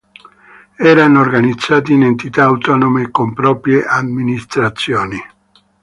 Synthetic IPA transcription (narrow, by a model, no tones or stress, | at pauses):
ɛːɾanoorɡanid̪zːaːt̪̬iːnent̪it̪aːwt̪ɔːnomekompɾɔːpɾjeʔadminist̪ɾat̪sːjɔːni